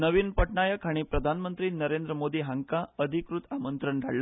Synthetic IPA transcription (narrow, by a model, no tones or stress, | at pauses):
nəʋiːnpəʈɳajəkɦaɽ̃ipɾəd̪ʱanmənt̪ɾiːnəɾend̪ɾəmod̪iːɦaŋkaəd̪ʱikɾut̪amənt̪ɾəɳɖʱa̰ɽl